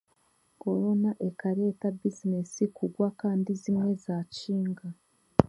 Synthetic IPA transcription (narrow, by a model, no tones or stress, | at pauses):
ko̞ɾo̞naʔe̞kaɾe̞ːtabizinesikuɡwakaːndizimŋe̞zaːt͡ʃiːŋɡa